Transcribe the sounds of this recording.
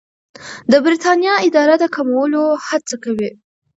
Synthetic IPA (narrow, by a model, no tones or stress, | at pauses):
d̪əbɾit̪ɑnjɑɪd̪ɑɾad̪əkamawəlohat͡sakawi